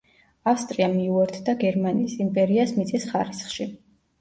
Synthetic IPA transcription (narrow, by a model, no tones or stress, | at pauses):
afst̪ʼɾiamiuɛɾt̪ʰd̪aɡɛɾmaniːsimpʼɛɾiasmit̪sʼisχaɾisχʃi